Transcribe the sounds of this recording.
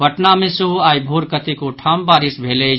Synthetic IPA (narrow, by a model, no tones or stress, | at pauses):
əʈnamẽsuɦuaːibʱoːɾkət̪ikoʈʰaːmbaːɾɪsbʱeːle